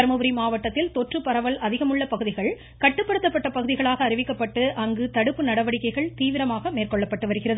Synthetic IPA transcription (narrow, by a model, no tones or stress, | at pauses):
ɐɾmɐbɯɾimaːʋɐʈːɐt̪ːɪlt̪ɔʈrɯpɐɾɐʋɐlɐðɪɣɐmɯɭːɐpɐɣɯðɪɣɐɭ | kɐʈːɯpːɐɽɯt̪ːɐpːɐʈːɐpɐɣɯðɪɣɐɭaːɣɐːɾɪʋɪkːɐpːɐʈːɯʔɐŋɡɯt̪ɐɽɯpːɯnɐɽɐʋɐɽɪkːɐɪɣɐɭt̪iːʋɪɾɐmaːɣɐmeːrkɔɭːɐpːɐʈːɯʋɐɾɯɣɪrɐðɯ